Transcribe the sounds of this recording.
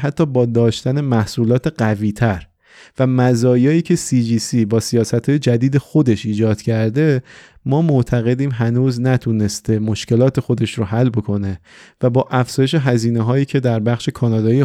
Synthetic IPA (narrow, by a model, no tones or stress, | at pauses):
ɦæt̪ʰːɒːbɒːd̪ɒːʃt̪æne̞mæhsuːlɒːt̪ʰe̞ɢæviːt̪ʰæɾ | væmæzɒːjɒːiːcʰe̞sid͡ʒiːsiːbɒːsijɒːsæt̪hɒːje̞d͡ʒæd̪iːd̪e̞xo̞d̪e̞ʃiːd͡ʒɒːd̪̥cʰæɾd̪e̞ | mɒːmoʔt̪ʰæɣe̞d̪iːmɦænuːznæt̪ʰuːne̞st̪e̞moʃce̞lɒːt̪ʰe̞xo̞d̪e̞ʃɾoɦælːbo̞kʰo̞ne̞ | væbɒːʔæfz̥ɒːje̞ʃ̬e̞ɦæziːneɦɒːjiːcʰe̞d̪æɾbæxʃe̞kʰɒːnɒːd̪ɒːie